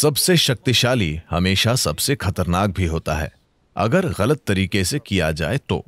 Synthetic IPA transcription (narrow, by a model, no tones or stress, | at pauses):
sɐbseʃɐk̚t̪iʃaːlihɐmeːʃasɐbsexɐt̪əɾnaːk̚bʱiɦoːt̪a̰ɦɛ̰ː | ɐ̰ɡəɾɣɐlət̪ːɐɾiːkesekija̰d͡ʒa̰ːet̪o̰ː